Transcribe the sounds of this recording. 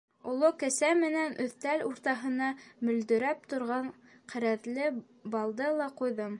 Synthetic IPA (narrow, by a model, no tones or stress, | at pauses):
ulˠokɘ̆sæmɘ̆nænʔɵ̆θt̪æluɾt̪ɑɦɤ̆nɑmɵ̆ld̪ɵ̆ɾæp̚t̪ŏɾʁɑɴ | qɘ̆ɾæðlɘ | bɑlˠd̪ɤlˠɑqujðɤm